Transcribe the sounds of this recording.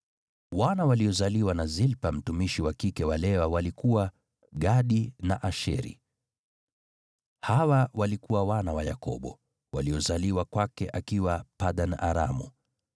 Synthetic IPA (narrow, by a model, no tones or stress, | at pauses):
wanawaliɔzaliwanazilpam̩tumiʃiwakikɛwalɛwawalikuwa | ɠaɗinaʔaʃɛ̰ɾḭ | hawawalikuwawanawaja̰kɔ̰ɓɔ̰ | waliɔzaliwakwakɛʔakiwapaɗana̰ɾa̰mṵ